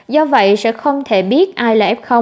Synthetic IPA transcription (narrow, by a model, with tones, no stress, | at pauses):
zɔ˧və̰˧˨jsɛ̰˧˥xə˧wŋ͡mt̪ʰe˧˩ɓi˦˥ət̚ʔaː˧jlaː˨˩ʔɛ˦˥p̚xə˧wŋ͡m